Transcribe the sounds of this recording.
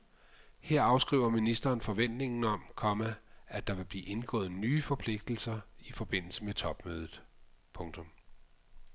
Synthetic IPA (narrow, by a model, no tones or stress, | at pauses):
heɐ̰ɑ̈ʊsɡ̥ʁḭːʊɐminisd̥ɐːnfɒ̽ʋen̰d̥ne̝ŋn̩ɒ̽mkʰɒ̽mææd̥ɑ̈ʋe̝b̥liːʔe̝nɡ̥ɔ̰̽ːð̩ˠnyːfɒ̽pʰle̝ɡ̥̚d̥l̩sɐifɒ̽b̥e̝n̰l̩səmet͡sʰɒ̽b̥møːð̞ˠð̩ˠ | pʰɔ̽ŋt͡sʰɔ̽m